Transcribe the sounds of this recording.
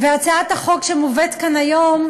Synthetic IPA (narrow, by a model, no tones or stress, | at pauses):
veaʁt͡saataχo̞kʃemuvetkanajom